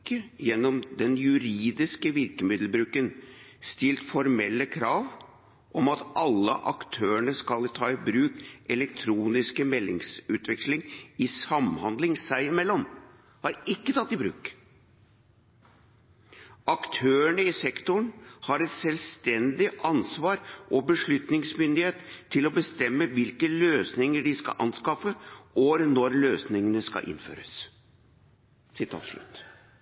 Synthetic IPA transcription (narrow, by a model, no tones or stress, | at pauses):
əjɛnːɔmd̪ɛnjʉɾiːd̪ɪskəʋɪɾkəmɪd̪l̩bɾʉːkənst̪ɪlt̪fɔɾmɛlːəkʰɾɑːʋ | ʔɔmɑt̪ʔɑlːə̰ʔɑkt̪ʰøːəɳəskɑlt̪ʰɑːɪbɾʉːkɛlɛkt̪ʰɾuːnɪskəmɛlːɪ̰ŋsʉːt̪ʋɛkslɪŋɪsɑmhɑnd̪lɪŋsæɪɪmɛlːɔm | hɑɾɪkːət̪ʰɑt̪ːɪbɾʉ̰ːk | ɑkt̪ʰøːəɳəɪsɛkt̪ʊɳhɑɾɛt̪sɛlst̪ɛnd̪ɪʔɑnsʋɑːɾʔɔbəʂɭʉt̪nɪŋsmʏnd̪ɪheːt̪ʰːɪlɔbəst̪ɛmːəʋɪlkəløːsnɪŋəɖɪskɑ̰ʔɑ̰nskɑfəʔɔɾnɔɾløːsnɪŋənəskɑ̰ʔɪ̰nːfø̰ːɾəs | sɪt̪ʰɑ̰ːt̪ʂɭʉ̰t̪ː